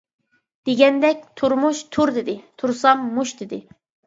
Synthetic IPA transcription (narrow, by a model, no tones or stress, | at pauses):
d̪̥eɡʲɛnd̪ɛk̚ʲt̪ʰuɾmuʃt̪ʰuɾd̪ɪd̪ɪt̪ʰuɾsɑmːuʃd̪ɪd̪ɪ